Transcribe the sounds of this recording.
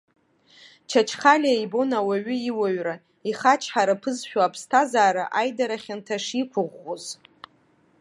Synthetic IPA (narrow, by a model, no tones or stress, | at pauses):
t͡ʃʰat͡ʃʰχalʲajbo̞nawaɥʏiwaɥra | iχat͡ʃʰħaɾapʰɨzʃᶣaapʰstʰazaːɾaʔajdaɾaχʲantʰaʂikʷʰʊʁʷːoz